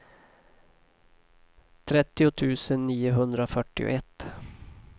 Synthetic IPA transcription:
t̪ʰɾɛt̪ːɪʊt̪ʰʉ̟ːsənːiːʊɦɵnd̪ɾaofœʈːɪ̰ʊ̰ʔɛt̪ː

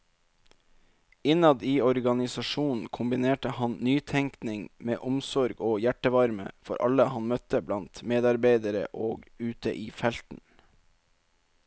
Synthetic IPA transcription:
ɪnɑd̪iːɔɾɡɑnɪsɑʃuːn̩kʰʊmbɪneːʈəhɑnnyːt̪ʰɛŋknɪŋmeːʔʊmsɔɾɡoːjæʈəʋɑɾmə̰fɔɾʔɑləhɑnmœt̪əblɑnt̪meːd̪ɑɾbeɪd̪əɾə̰ʔoːɡʉːt̪ə̰ʔiːfɛlt̪n̩

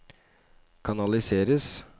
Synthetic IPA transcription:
kʰɑnɑlɪseːɾəs

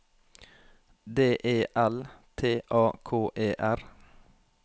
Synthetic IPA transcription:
d̪eːʔeːʔælt̪ʰeːʔɑːkʰoːʔeːʔæɾ

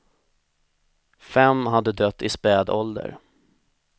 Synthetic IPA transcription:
fɛmːɦad̪ːəd̪œt̪ːɪspɛːd̪ɔld̪ə̰ɾ

